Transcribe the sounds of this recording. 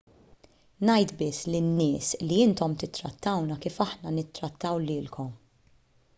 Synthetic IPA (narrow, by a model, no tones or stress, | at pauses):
nɐjt̪bɪsːlɪnːɪːsliɪnt̪ɔmt̪ɪt̪ːɾɐt̪ːɐwnɐkiːfɐħnɐnɪt̪ːɾɐt̪ʰːɐwlɪːlkʰɔm